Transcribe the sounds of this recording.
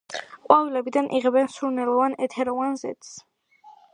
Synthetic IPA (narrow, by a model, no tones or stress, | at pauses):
qʼwavilɛbid̪anʔiʁɛbɛnsuɾnɛɾɔvanɛt̪ʰɛɾɔvanzɛ̰t̪s